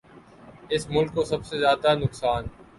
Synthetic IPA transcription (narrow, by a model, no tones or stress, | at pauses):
ɪsmʊlkːosɐbsezjaːd̪anʊksaːn